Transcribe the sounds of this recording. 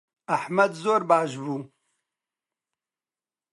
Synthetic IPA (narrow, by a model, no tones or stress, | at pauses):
ɐħmɐd̪zoːɾbaːʃbuː